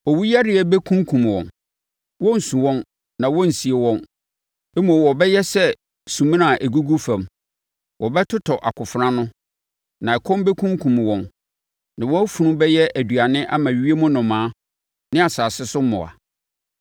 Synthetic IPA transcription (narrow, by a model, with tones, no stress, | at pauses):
ɔ˨wu˦ja˦dɪ˨ɛ˨˦bɛ˦kʰũ˦ŋ˦kʰũ˨m˨wɔ̰̃˨n | wɔ̃˦n̩˨sũ˨wɔ̃˦n | nã˨wɔ̃˦n̩˨si˨e˨wɔ̃˦n | ɛ˦mõ˨wɔ˨bɛ˦jɛ˦sɛ˦ | sũ˨mĩ˦nã˨ʔæ˨ɡu˦ɡu˦fã˨m | wɔ˨bɛ˦tʰʊ˦tʰɔ˨ʔa̰˨kʰʊ˨fɾã˦nʊ̃˦ | nã˨ɛ˨kʰɔ̃˦mbɛ˦kʰũ˦ŋkʰũ˨m˨wɔ̃˨n | nã˨wɔ̃˦fu˨nũ˦bɛ˦jɛ˦ʔæ˨dɥa˨nɪ̃˦ʔa˦mã˨ɥi˨ɥi˦e˦mʊ̃˦nʊ̃˨mãː˨˦ | nɪ̃˦a˨saː˨sɪ˦sʊ˦m˦mʊ̰̃˨a̰˨